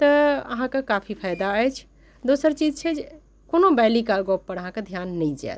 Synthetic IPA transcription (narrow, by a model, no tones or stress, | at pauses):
t̪əə̰ɦãkekapʰipʰajd̪aəjt͡ʃʰ | d̪osəɾt͡ʃid͡ʒt͡ʃʰɛd͡ʒe | konobɛlikalɡopːəɾəɦãked̪ʱjanːəjd͡ʒɛ̰t̪